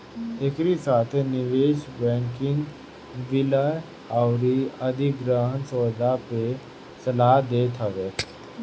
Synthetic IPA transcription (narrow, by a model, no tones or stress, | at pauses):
ekɾisaːt̪ʰniʋeːʃbɛ̃ːŋkɪ̃ŋɡ | ʋɪləj | awɾiɐd̪ʱiɡɾaɦənsɔːd̪ape | səlad̪eːt̪ʰəʋeː